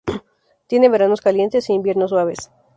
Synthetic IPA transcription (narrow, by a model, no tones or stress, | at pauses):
t̪je̞ne̞βe̞ɾano̞skalje̞nt̪e̞siimbje̞ɾnos̬waβe̞s